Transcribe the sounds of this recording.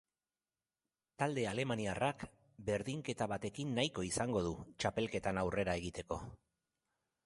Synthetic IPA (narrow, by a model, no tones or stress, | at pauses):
t̪ald̪e̞ale̞maniarak | be̞ɾðiŋke̞t̪aβat̪e̞kinːajko̞isaŋɡo̞ðut͡ʃape̞lke̞t̪anawre̞ɾae̞ɣit̪e̞ko̞